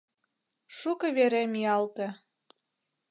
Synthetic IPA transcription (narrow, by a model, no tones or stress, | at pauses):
ʃukɤβeɾemiɑlt̪e